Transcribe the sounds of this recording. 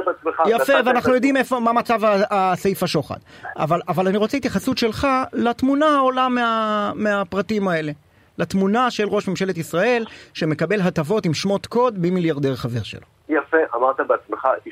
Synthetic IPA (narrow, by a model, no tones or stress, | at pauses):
bat͡smeχajafeveanaχnujod̪imefo̞mamat͡savaasejfaʃo̞χa̰da̰valavalaniʁot͡seit̪jaχasutʃe̞lχalat̪munaolameameapʁatimae̞le̞ | lat̪munaʃe̞lʁo̞ʃmemʃe̞le̞t̪isʁae̞lʃe̞me̞kabe̞lɦat̪avo̞timʃmo̞t̪kod̪bimiljaʁd̪eʁχave̞ʁʃḛlo | jafeʔa̰maʁt̪abeat͡smeχa